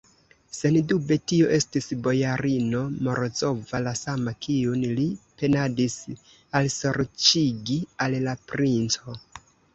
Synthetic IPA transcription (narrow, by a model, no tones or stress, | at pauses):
se̞ndube̞tio̞ʔe̞stisbo̞jaɾino̞mo̞ɾot͡so̞valasamakiunlipe̞nadis | also̞ɾt͡ʃiɡialːapɾint͡so̞